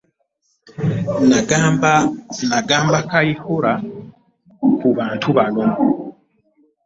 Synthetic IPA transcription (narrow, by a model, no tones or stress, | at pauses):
naɡ | naɡaːmbakajihoɾa | kʰuβaːntʰuβalom